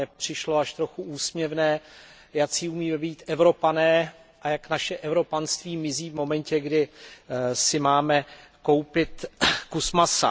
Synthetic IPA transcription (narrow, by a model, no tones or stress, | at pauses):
ɛpr̝̥ɪʃlo̞aʃt̪ɾo̞xuuːsmɲɛvnɛː | jat͡siːumiːmɛbiːt̪ɛvɾo̞panɛː | ʔajaknaʃɛʔɛvɾo̞panst̪viːmɪziːvmo̞mɛncɛɡdɪ | sɪmaːmɛko̞wpɪt̪kusmasa̰